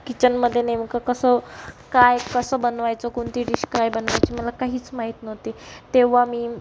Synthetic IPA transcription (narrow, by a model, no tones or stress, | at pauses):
kit͡ɕənməd̪ʱːjenemkəkəsəːkajkəsəːbənʋajt͡sɔkoɳt̪iːɖiɕkajbənʋajt͡ɕiːməlakaɦiːt͡smaɦit̪nəʋt̪et̪eʋ̤amiː